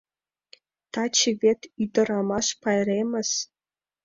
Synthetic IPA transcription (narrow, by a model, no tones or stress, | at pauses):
t̪ɑt͡ɕʰivʲet̪ʰyd̪ə̆ɾɑmɑʃpɑjreməs